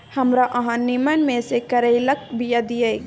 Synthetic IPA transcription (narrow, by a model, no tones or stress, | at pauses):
hɐmɾaʔɐɦãnimənmẽsekɐɾəilək̚bijad̪ije